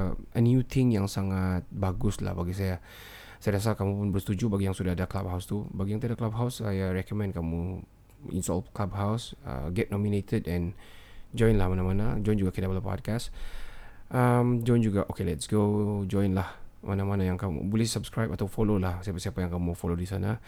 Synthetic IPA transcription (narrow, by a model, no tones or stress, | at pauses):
ənjut̪ʰɪŋjaŋsaŋat̪̚baɡʊsla̰hbaɡis̬aja | sajadas̬alkamũpʊnbərst̪ud͡ʒubaɡijaŋsudahadaklab̚ɦawst̪ubaɡijaŋt̪iadaklab̚ɦawsajaɹɛkəmɛ̃nkamu | ḭnstɔ̰lklab̚ɦawsə̰ɡɛt̚nɔminet̪ʰədɛ̃nd͡ʒɔ̃jnlahmanãmanad͡ʒɔjnd͡ʒuɡakidapalapɔ̰d̚kas | ʔamd͡ʒɔjnd͡ʒuɡaʔokelɛtsɡod͡ʒɔ̃jnlahmanamanajaŋkamṵbulɪhsabskɾajpat̪awfololahsajapəsiapajaŋkamufolodisana